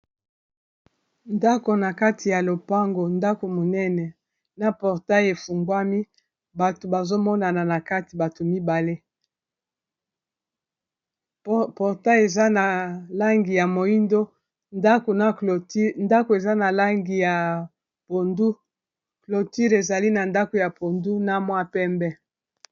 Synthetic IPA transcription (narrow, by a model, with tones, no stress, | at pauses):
nda˦ko˨na˨ka˦tʰi˨ja˨lo˨pa˦ŋɡo˨nda˦ko˨mo˨nɛ˦nɛ˨ | na˨pɔ˨ʁta˦je˨fu˨ŋɡwa˦mi˦ | ba˨to˨ba˨zo˦mɔ˦na˨na˨na˨ka˦ti˨ba˨to˨mi˦ba˨le˦ | pɔ˨ʁta˦je˨za˦na˨la˦ŋɡi˨ja˨mo˨i˦ndo˦ | nda˦ko˨na˨ko˨ti˦nda˦ko˨e˨za˦na˨la˦ŋɡi˨ja˨ | po˨ndu˦ | klo˨ti˦ʁe˨za˨li˦na˨nda˦ko˨ja˨po˨ndu˦na˦mwa˦pɛ˦mbɛ˦